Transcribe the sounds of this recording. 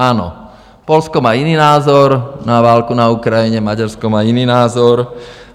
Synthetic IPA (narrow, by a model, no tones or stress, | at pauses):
aːnɔ̰ | pɔlskɔmaːiniːnaːzɔɾnaʋaːlkunaukɾajiɲɛmaɟaɾskɔmaːiniːnaːzɔɾ